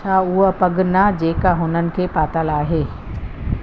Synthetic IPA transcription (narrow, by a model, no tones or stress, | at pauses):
t͡ʃʰauɦəpɐɡnad͡ʑeːkaɦʊnənɪ̆kʰeːpaːt̪əlaːɦeː